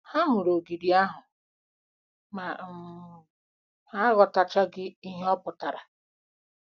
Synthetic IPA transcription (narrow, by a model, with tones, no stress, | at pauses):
ha˦mʊ˨ɾo˨ɡi˨di˨a˦ɦʊ˨ | ma˨ | ha˦ɣɔ˨ta˨t͡ʃa˦ɡɪ˦i˦ɦe˦ɔ˦pʊ˨ta˨ɾa˨